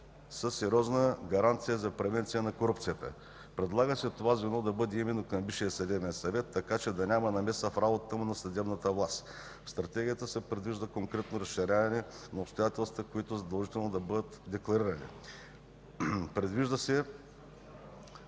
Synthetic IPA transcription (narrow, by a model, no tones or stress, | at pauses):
səsːɛɾʲiɔznəɡɐɾant̪sijəzɐpɾɛvɛnt̪sijənɐkoɾupt̪sijət̪ə̰ | pɾɛd̪lˠaɡəsɛt̪ːovazvɛnɔd̪ɐbɤd̪ɛimɛnokɐmbiʃijəsɐd̪ɛbɛnsɐvɛt̪ːɐkat͡ʃɛd̪ɐnʲamɐnɐmɛsəfɾabot̪ət̪əmʊnɐsɐd̪ɛbnət̪əvlˠast̪ | fst̪ɾɐt̪ɛɡʲijət̪əsɛpɾɛd̪viʒd̪əkoŋkɾɛt̪noɾɐsʃiɾʲavɐnɛnɐopst̪ojat̪ɛlˠst̪vəkoit̪ʊzɐd̪ɐlˠʒit̪ɛlˠnod̪ɐbɤd̪ət̪d̪ɛklˠɐɾiɾɐnḭ | pɾɛd̪viʒd̪əsɛ